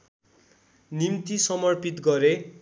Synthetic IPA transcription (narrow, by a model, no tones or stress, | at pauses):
nimt̪isʌmʌrpit̪ɡʌɾe